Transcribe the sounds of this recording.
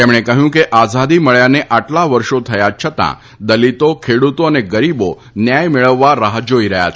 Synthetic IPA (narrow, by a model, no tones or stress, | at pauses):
t̪emɳ̃ekəɦjũkeʔazad̪iməɭjaneʔaʈlaʋəɾʃot̪ʰəjad͡ʒt͡ʃʰət̪ã̰ | d̪əlit̪okʰeɽut̪oəneɡəɾibo | njajmeɭəʋːaɾəɦd͡ʒoiɾəɦja̰t͡ʃʰ